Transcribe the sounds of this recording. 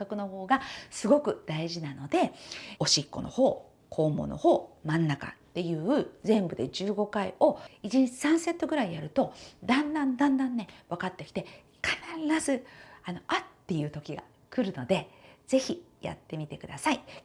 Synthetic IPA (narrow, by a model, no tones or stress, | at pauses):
kakɯ̟no̞ho̞ːɡasɨɡo̞kɯ̟d̪̥aiʑinano̞d̪e̞o̞ɕikːo̞̰no̞̰ho̞ː | kʰo̞ːmo̰no̞̰ho̞ːmãnːaka̰t̪ːe̞jɯ̟ːɯ̟zẽ̞mbɯ̟d̪e̞d͡ʑɨːɡo̞kaio̞it͡ɕiɲ̟it͡ɕi̥sãɰ̃se̞t̪ːo̞ɡɯ̟ɾaijaɾɯ̟t̪o̞d̪ãnd̪ãnd̪ãnd̪ãnːe̞βakat̪ːe̞kʲi̥t̪e̞ | kʰanaɾɾazɨano̞ʔat̪ːe̞jɯ̟ːt̪o̞kʲiɡa̰ | kɯ̟ɾɯ̟no̞d̪e̞z̥e̞çija̰t̪ːe̞mʲit̪e̞kɯ̟d̪asai